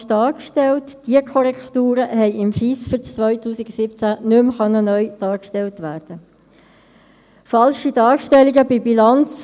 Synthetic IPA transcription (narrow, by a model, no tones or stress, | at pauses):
d̥ɑːkʃtɛltd̥iəkʰɔɾɛktuːɾəɦɛɪʔɪmfiːsfyɾt͡st͡sːʋœʏtuːsiɡsɪpt͡sænʏmχœnːənœʏd̥ɑːɾkʃtɛltʋæːɾd̥ə | fɑlʃidɑːɾʃtɛlːiɡəbibilɑnt͡s